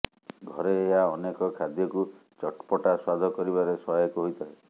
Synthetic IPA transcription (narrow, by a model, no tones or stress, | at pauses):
ɡʱɔɾeːɦaɔnekɔkʰad̪jɔku | t͡ʃɔʈpɔʈaswad̪ʱɔkɔɾibaɾesɔjɔkuɦojt̪ʰaɦe